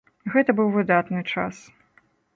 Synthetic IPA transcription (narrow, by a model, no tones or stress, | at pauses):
ɣɛt̪ɐbɨwvɨd̪at̪nɨt͡ʂa̰s